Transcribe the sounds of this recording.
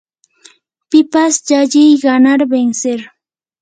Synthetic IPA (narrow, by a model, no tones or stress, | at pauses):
pɪpasd͡ʒaʎɪjɢanaɾbenseɾ